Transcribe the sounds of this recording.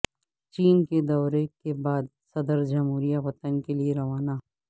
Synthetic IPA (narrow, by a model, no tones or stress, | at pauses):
t͡ʃiːnked̪ɔːɾekebaːd̪ | sɐd̪əɾd͡ʒɐmɦuːɾijaʋɐt̪ənkelieɾɐʋaːnaː